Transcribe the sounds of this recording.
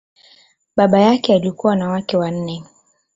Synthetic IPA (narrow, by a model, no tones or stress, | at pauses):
ɓaɓajakɛaliɔkuwanawakɛwan̩nɛ